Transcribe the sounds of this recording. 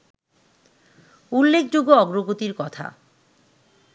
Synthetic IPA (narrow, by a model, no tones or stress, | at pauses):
ulːek̚ʰd͡ʑoɡoɔɡɾoɡot̪iɾkɔt̪ʰa̰